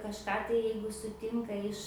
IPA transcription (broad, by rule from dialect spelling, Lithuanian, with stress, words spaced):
kɐʃˈkɑː tɐɪ ˈjɛɪɡʊ sʊˈtʲɪŋkɐ ɪʃ